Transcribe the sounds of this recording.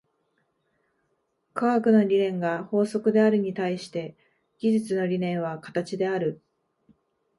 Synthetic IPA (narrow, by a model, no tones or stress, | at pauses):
kaakɯ̟no̞ɾʲiɾẽ̞ŋɡaho̞ːso̞kɯ̟d̪e̞aɾɯ̟ɲ̟it̪aiɕi̥t̪e̞ | ɡ̥ʲiʑit͡sɨno̞ɾʲinẽ̞ɰ̃β̞akḁt̪at͡ɕid̪e̞aɾɯ̟